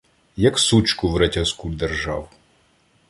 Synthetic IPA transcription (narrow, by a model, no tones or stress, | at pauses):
jɐksut͡ʃkʊwɾetʲɐskud̪erʒɑw